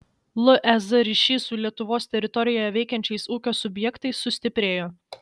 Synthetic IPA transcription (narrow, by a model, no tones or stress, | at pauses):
lˠʊʔɛzɐɾʲiʃʲiːsuːlʲiɛt̪ʊʋoːst̪ʲɛɾʲɪt̪ɔɾʲɪjoːjɛʋʲɛɪkʲɛnʲt͡ʃʲɛɪsuːkʲoːsʊbʲjɛkt̪ɐɪsːʊsʲt̪ʲɪpʲɾʲeːjoː